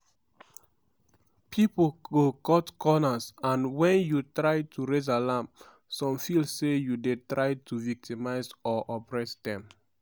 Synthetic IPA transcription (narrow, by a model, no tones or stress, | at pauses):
pʰipolɡokɔtkʰɔnasãnwɛ̃njutɹaɪtʰuɹez̬alãmp | sɔ̃mfilsejudetɹaɪtʰuvik̚timaɪsɔʔɔpɹɛsdɛ̃m